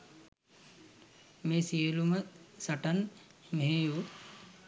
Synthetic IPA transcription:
meːsijəluməsaʈanmeɦeju

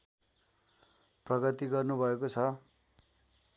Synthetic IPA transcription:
prʌɡʌt̪iɡʌrnubʱʌekot͡sʰʌ

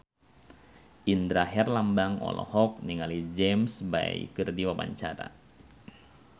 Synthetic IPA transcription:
ind̪ɾaɦɛrlambaŋɔ̰lɔ̰hɔk̚niŋalid͡ʒɛmsba̰jkɨrdiwaba̰ɲt͡ʃaɾa̰

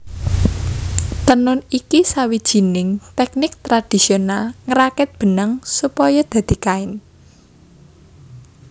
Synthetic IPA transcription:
t̪ənʊnikisawid̥ʒ̥i̤nɪŋt̪ɛk̚nɪk̚t̪ɾad̪̥i̤sionalŋəɾakɪt̪̚b̥ə̤nəŋsupɔjɔd̪̥a̤d̪̥i̤kaɪn

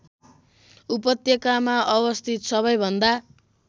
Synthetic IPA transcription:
upʌt̪jʌkamaʔʌbʌst̪ʰit̪sʌβʌjbʱʌnd̪a

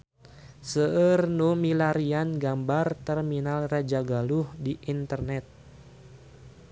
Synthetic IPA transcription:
səərnumilaɾianɡambart̪ɛrminalrad͡ʒaɡaluhdiʔint̪ərnɛt̪̚

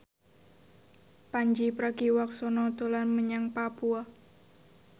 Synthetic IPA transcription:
paɲd͡ʒipɾaɡiwɔksɔnɔd̪olanməɲaŋpapua

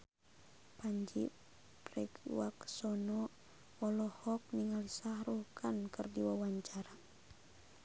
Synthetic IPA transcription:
paɲd͡ʒi | pɾɛ̰ɡwaksɔnɔ | ɔlɔhɔk̚niŋalisahrukʰankɨrdiwawaɲt͡ʃaɾa

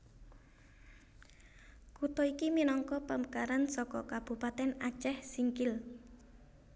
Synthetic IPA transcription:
kut̪ɔikiminɔŋkɔpəməkaɾansɔkɔ̰kab̥ṳpat̪ɛnat͡ʃɛhsiŋkɪl

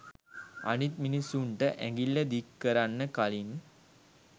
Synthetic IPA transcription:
a̰nit̪minisːuɳʈəʔæ̰ŋɡilːəd̪ikːəɾanːəkalin

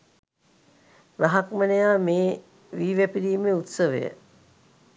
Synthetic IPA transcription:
ɾaɦakmənejaːmeː | ʋiːʋæpiɾiːmeut̪səʋḛjə̰

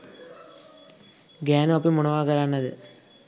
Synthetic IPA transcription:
ɡaːnɐɐp̬ːimuɳɐʋaːkɐɾaːɳːɐðɨ̰

